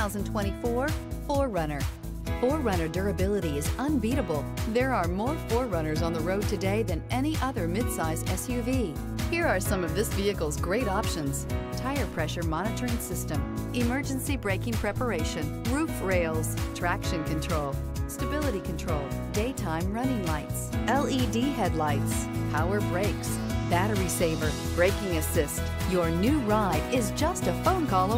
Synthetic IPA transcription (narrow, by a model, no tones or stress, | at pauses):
aʊzn̩tʰw̥ɛ̃ɾ̃ifɔɹfɔɹːʌnə˞ | fɔɹːʌ̃ñə˞də˞ɨbɪlˠəɾiɨzə̃nbiɾəbl̩ˠðə˞əɹmɔɹfɔɹːʌñə˞zn̩ðəɹoʊd̚tʰɨdeɪðɨ̃nʔɛñiʔʌðə˞mɪd̥saɪzɛsjʉvi | hiɹə˞sʌ̃mʌvðɪsviɨkl̩ˠzɡɹeɪɾɑpʃɨ̃nz̥tʰaɪə˞pʰɹ̥ɛʃə˞mɑñɨɾə˞ɪ̃ŋsɪstɨ̃mʔɨmɜ˞d͡ʒɨ̃nsibɹeɪkɪ̃ŋpʰɹ̥ɛpə˞eɪʃɨ̃nɹufɹeɪlˠz̥tʰɹ̥ækʃɨ̃nkʰɨ̃ntʰɹ̥oʊlˠ | stɨbɪlˠəɾikʰɨ̃n̩tʰɹ̥oʊlˠ | deɪtʰãɪ̃mɹʌnɪ̃ŋlaɪtsʔɛlˠidiɦɛdˡlaɪtspʰaʊə˞bɹeɪks | b̥æɾə˞iseɪvə˞ | b̥ɹeɪkɪ̃ŋɨsɪst | jə˞nʉɹaɪɾɪzd͡ʒʌstəfõʊ̃nkʰɔlˠə̃